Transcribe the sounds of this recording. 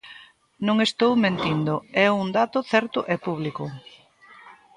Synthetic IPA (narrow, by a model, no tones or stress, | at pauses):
nõŋest̪owmẽnt̪ind̪ʊɛuŋd̪at̪ʊθɛɾt̪ʊʔɛpuβlikʊ